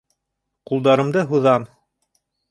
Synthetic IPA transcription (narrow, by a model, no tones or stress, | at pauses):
qulˠd̪ɑɾɤ̆md̪ɤɦuðɑm